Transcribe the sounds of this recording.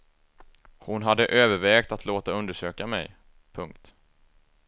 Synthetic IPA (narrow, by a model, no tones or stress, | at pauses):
hʊnɦad̪ːəʔøːvəɾvɛːɡk̚t̪at̪ʰloːt̪aɵnd̪əʂøːkamɛ̰j | pʰɵŋk̚t̪